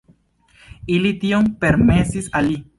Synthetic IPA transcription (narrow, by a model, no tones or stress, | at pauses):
ilitiompe̞ɾme̞sisalːi